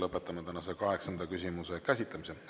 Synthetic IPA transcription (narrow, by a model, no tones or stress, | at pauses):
lɤpːˑet̪ːˑɑmɑt̪ænɑsekɑɦe̞ksɑnd̪̥ɑkysʲimusekæsʲit̪lɑmise